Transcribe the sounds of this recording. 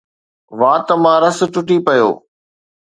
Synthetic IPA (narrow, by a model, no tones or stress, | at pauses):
ʋãːt̪ɐmãːɾɐsʈʊʈipɐjo̰ː